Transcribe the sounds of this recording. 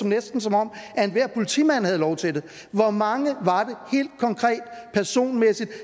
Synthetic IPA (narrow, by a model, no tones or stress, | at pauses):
ɒ̽mnesd̥n̩sɒ̽mɒ̽m̰æe̝nʋæɐ̰pʰo̝lit͡sʰḭmæn̰hæð̞̩ˠlɒʊt͡sʰe̝ld̥e | ʋɒmɑ̈ŋəʋɑ̈d̥e̝he̝̰ːld̥̚kʰɒ̽ŋkʰʁɛ̰ːd̥̚pʰæɐso̝̰ːnmesid̥